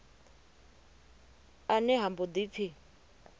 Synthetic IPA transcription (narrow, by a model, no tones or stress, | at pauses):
anɛɦambɔd̪ipʰi